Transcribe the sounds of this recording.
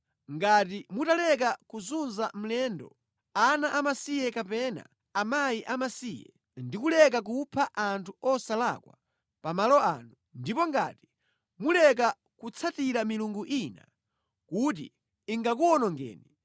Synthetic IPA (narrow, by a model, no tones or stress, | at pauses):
ŋɡat̬imutalɛk̬akuzunzam̩lɛndɔ̰ | anaʔamasijɛkapɛna̰ | amajiʔamasijɛ̰ | ndikulɛk̬ak̬upʰaʔantʰuɔsala̰kwa | pamalɔa̰ːnu | ndipɔŋɡa̰ti̥ | mulɛka | kut͡sʰatiɾamiluŋɡuʔina̰ | kut̬ḭː | ŋɡakuɔnɔŋɡɛ̰ːni